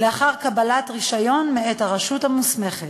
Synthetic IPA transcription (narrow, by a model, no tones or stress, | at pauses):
leaχaʁkabalatʁiʃajo̞nmeethaʁaʃuthamusme̞χet